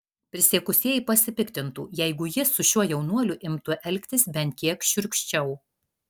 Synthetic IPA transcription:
pʲɾʲɪsʲeːkʊsʲiɛjipɐsʲɪpʲɪkt̪ʲɪnt̪ṵːjɛɪɡʊjɪsʊʃʲuɔjɛʊnuɔlʲʊʔɪmt̪uʔɛlʲkʲt̪ʲɪsbʲɛnʲt̪̚ʲkʲiɛkʃʲʊɾʲkʃʲt͡ʃʲɛʊ

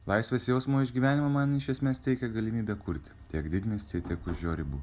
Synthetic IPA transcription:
lˠɐɪsʲʋʲeːsjɛʊsmoːɪʒʲɡʲiːʋʲæːnʲɪmɐmɐnɪʃʲɛsʲmʲeːst̪ʲɛɪkʲɛɡɐlʲɪmʲiːbʲɛkʊɾʲt̪ʲ | t̪ʲiɛkd̪ʲɪd̪ʲnʲeːst̪ʲiɛt̪ʲiɛkʊʒʲoːɾʲɪbu

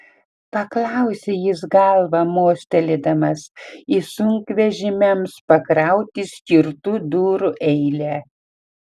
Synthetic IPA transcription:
pɐklˠɑʊsʲejɪs̬ɡɐlˠʋɐmoːsʲt̪ʲɛlʲɪd̪ɐmɐsisʊŋʲkʋʲɛʒʲɪmʲɛmspɐkɾɑˑʊt̪ʲɪsʲkʲɪɾt̪ud̪uːɾʊʔɛɪlʲæː

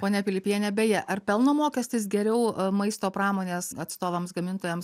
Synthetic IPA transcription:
poːnʲɛpʲɪlʲɪpʲjiɛnʲɛbʲeːjɛʔɐrpʲɛlˠnoːmoːkʲɛsʲt̪ʲɪs̬ɡʲɛɾʲɛʊmɐɪst̪oːpɾɑːmoːnʲeːsɐt̪st̪oːʋɐmsɡɐmʲɪnt̪oːjɛms

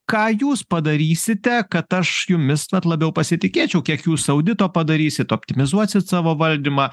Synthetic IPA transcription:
kɑːjuːspɐd̪ɐɾʲiːsʲɪt̪ʲɛkɐt̪ɐʃjʊmʲɪsɐt̪lˠɐbʲɛʊpɐsʲɪt̪ʲɪkʲeːt͡ʃʲɛʊkʲiɛkjuːsɐʊd̪ʲɪt̪oːpɐd̪ɐɾʲiːsʲɪt̪oːpʲt̪ʲɪmʲɪzuɔsʲɪt̪sɑːʋoːʋɐlʲd̪ʲimɑː

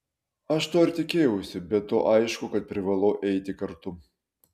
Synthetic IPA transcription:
ɐʃt̪oːɪɾʲt̪ʲɪkʲeːjɛʊsʲɪbʲɛt̪ːoːʔɐɪʃkʊkɐt̪̚pʲɾʲɪʋɐlˠoːʔɛɪt̪ʲɪkɐɾt̪ʊ

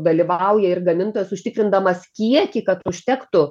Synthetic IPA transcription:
d̪ɐlʲiʋɐʊjɛɪrɡɐmʲɪnt̪oːjɛsʊʃʲt̪ʲɪkɾʲɪnd̪ɐmɐskʲiɛkʲɪkɐt̪ʊʃʲt̪ʲɛkt̪ʊ

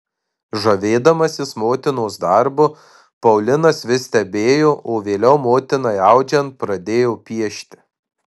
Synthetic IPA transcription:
ʒɐʋʲeːd̪ɐmɐsʲɪsmoːt̪ʲɪnoːsd̪ɐɾbʊ | pɐʊlʲɪnɐsʋʲɪsʲt̪ʲɛbʲeːjoːʔoːʋʲeːlʲɛʊmoːt̪ʲɪnɐɪɑˑʊd͡ʒʲɛnt̪̚pɾɐd̪ʲeːjoːpʲiɛʃʲt̪ʲɪ̥

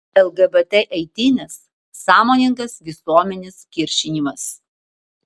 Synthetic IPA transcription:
ɛlˠɡɐbɛt̪ʲɛʔɛɪt̪ʲɪnʲɛsː | ɑːmoːnʲɪŋkɐsʋʲɪsuɔmʲɛnʲɪskʲɪɾʲʃʲɪnʲimɐs

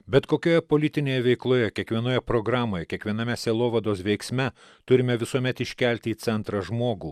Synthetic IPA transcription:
bʲɛt̪koːkʲoːjɛpoːlʲɪt̪ʲɪnʲeːjɛʋʲɛɪklˠoːjɛkʲiɛkʋʲiɛnoːjɛpɾoɡɾɑːmoːjɛkʲiɛkʋʲiɛnɐmʲɛsʲeːlˠoːʋɐd̪oːsʋʲɛɪksʲmʲɛ | t̪ʊɾʲɪmʲɛʋʲɪsuɔmʲɛt̪ɪʃʲkʲælʲt̪ʲɪiːt̪sʲɛnt̪ɾɐʒmoːɡuː

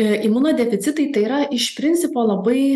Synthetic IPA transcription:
imuːnoːd̪ʲɛfʲɪt̪sʲɪt̪ɐɪt̪ɐɪiːɾɐɪʃpʲɾʲɪnʲsʲɪpoːlˠɐbɐɪ

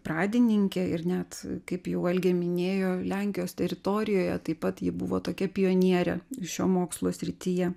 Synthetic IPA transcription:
pɾɑːd̪ʲɪnʲɪŋʲkʲɛɪrnʲɛt̪kɐɪpjɛʊɐlʲɡʲɛmʲɪnʲeːjoːlʲæˑŋʲkʲɪjoːst̪ʲɛɾʲɪt̪oːɾʲɪjoːjɛ̰t̪ɐɪpɐt̪jɪbʊ̰ʋoːt̪oːkʲɛpʲɪjoːnʲiɛɾʲɛ̰ʃʲoːmoːkslˠoːsʲɾʲɪt̪ʲiːjɛ

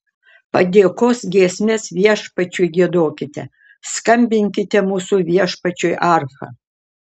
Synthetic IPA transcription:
pɐd̪ʲeːkoːsɡʲiɛsʲmʲesʋʲiɛʃpɐt͡ʃʲuːjɡʲiɛd̪oːkʲɪt̪ʲɛ | skɐmʲbʲɪŋʲkʲɪt̪ʲɛmuːsuʋʲiɛʃpɐt͡ʃʲoːjʔɑɾfɐ̰

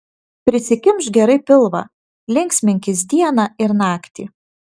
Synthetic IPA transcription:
pʲɾʲɪsʲɪkʲɪmʃɡʲɛɾɐɪpʲɪlˠʋɐ̰ | lʲɪŋʲksʲmʲɪŋʲkʲɪs̬d̪ʲiɛnɑɪɾnɑːkt̪ʲḭː

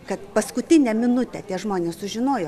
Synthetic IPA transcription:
kɐt̪pɐskʊt̪ʲɪnʲɛmʲɪnʊt̪ʲɛt̪ʲiɛʒmoːnʲeːssʊʒʲɪnoːjoː

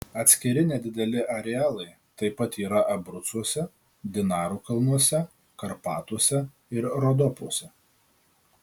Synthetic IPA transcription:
ɐt̪ʲsʲkʲɪɾʲɪnʲɛːd̪ʲɪd̪ʲɛlʲɪʔɐɾʲɛɑːlˠɐɪ | t̪ɐɪpɐt̪iːɾɐʔɐbɾʊt̪suɔsʲɛ | d̪ʲɪnɑːɾuːkɐlˠnuɔsʲɛ | kɐɾpɑːt̪uɔsʲɛ | ɪɾɾɔd̪ɔpuɔsʲɛ

